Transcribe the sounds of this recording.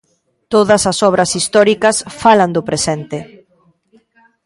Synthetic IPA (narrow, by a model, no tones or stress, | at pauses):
t̪oðɐsɐsɔβ̞ɾɐsist̪ɔɾikɐsfalɐnd̪ʊpɾesɛnt̪ɪ